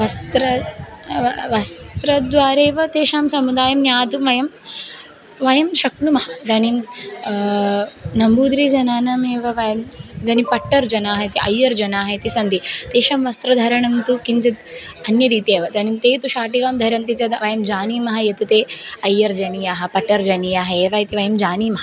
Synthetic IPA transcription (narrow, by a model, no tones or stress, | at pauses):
ʋɐst̪ɾɐ | ʋɐst̪ɾɐd̪ʋaːɾeːʋɐt̪eːʃaːmsɐmud̪aːjɐmnjaːd̪uʋɐjɐm | ʋɐjɐmʃɐknumɐɦɐd̪ɐnim | nɐmbuːd̪ɾid͡ʒɐnaːnɐmeːʋɐʋɐjɐmd̪ɐnipɐʈːɐɾd͡ʒɐnaːɦɐt̪iʔɐjːɐɾd͡ʒɐnaːɦɐt̪isɐnd̪it̪eːʃamʋɐst̪ɾɐd̪ʱɐɾɐɳɐmt̪ukint͡ʃit̪̚ɐnjɐɾiːt̪eːʋɐd̪ɐnimt̪eːt̪uʃaːʈikamd̪ʱɐɾɐmt̪it͡sɐd̪ɐʋɐjɐmd͡ʒaːniːmɐɦɐjɐt̪ɐt̪eːɐjːɐɾd͡ʒɐnijaːɦɐ̆pɐʈːɐɾd͡ʒɐnijaːɦɐeːʋajt̪iʋɐjɐmd͡ʒaːniːmɐɦɐɐ